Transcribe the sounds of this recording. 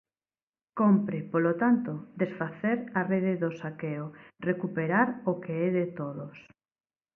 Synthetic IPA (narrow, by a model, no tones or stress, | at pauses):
kompɾɪpolot̪ant̪od̪esfaθeɾareðeðosakeorekupeɾaɾokeɛðet̪oðos